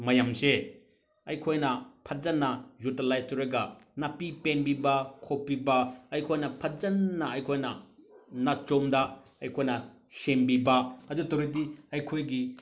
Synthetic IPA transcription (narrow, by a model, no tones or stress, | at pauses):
mɐjamse | ɐjkʰojnɐpʰɐd͡ʒɐnːɐzutelajstoɾiɡɐnɐpipenbibɐkʰopːibɐɐjkʰojnɐpʰɐd͡ʒɐnːɐɐjkʰojnɐnɐt͡ʃomdɐɐjkʰojnɐ | sembibɐɐdutɐɾitiɐjkʰojɡi